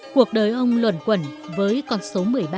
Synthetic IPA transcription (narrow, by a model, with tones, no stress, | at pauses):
ku˨˩ək̚ɗəː˨˩jʔə˧wŋ͡mlwə̰˧˩nkwə˧˩nvəː˨˦jkɔ˧nso˨˦mɨ˨˩əjɓa˧